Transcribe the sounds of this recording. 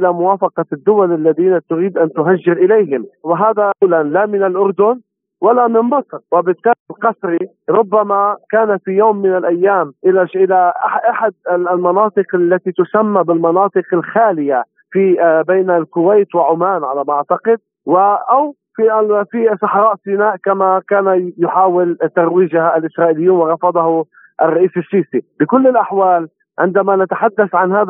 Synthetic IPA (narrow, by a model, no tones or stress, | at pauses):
ʔɪlamʊwaːfɑqɑd̪ːʊwalalːaðiːnat̪ʊɾiːd̪ʔant̪ʊɦaʒːɪɾʔɪlejɦɪmwɪɦaːðalanlamɪnɪlʔʊɾd̪ʊn | walamɪmbɑsˤɾwɪbɪt̪ːaːlilqɑsˤɾi | ɾˤʊbːamakaːnafijoːmːɪnɪlʔajːaːmʔɪlaʃʔɪlaaʔaħad̪̚ɪlmɑnɑːt̪ˤɨqalːat̪it̪ʊsamːabɪlmɑnɑːt̪ˤɨqɪlxaːlɪja | fibeːnalkʊwejt̪wɪʕʊmaːnʕalamʔaʕt̪ɑqɪd̪̚ | wɪʔaw | fiʔafisˤɑħɾˤɑːʔsɪnaːʔkamakaːnajʊħaːwɪlt̪aɾˤwiːʒahaalʔɪsɾˤɑːʔɪlɪjːuːnwɪɾˤɑfɑd̪ˤɑhu | ʔɪrˤːɑʔiːsɪʃːiːsibɪkʊlːɪlʔaħwaːl | ʕɪ̰nd̪amanat̪ḁħad̪ːaθʕanɦaːð